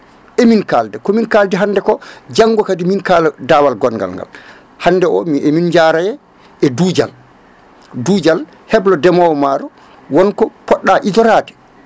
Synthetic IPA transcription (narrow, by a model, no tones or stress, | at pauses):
ʔeminkaldɛkɔminkaldɛɦandɛkɔd͡ʒaŋːɡɔkadiminkalɛdawalɡɔnɡa̰lŋɡa̰l | handɛʔɔmiʔemind͡ʒaɾajɛ | ɛduːd͡ʒa̰l | duːd͡ʒal | hɛblɔdɛmawɔmaːɾɔ | wɔnkɔpɔɗːaʔidɔɾaːtɛ̥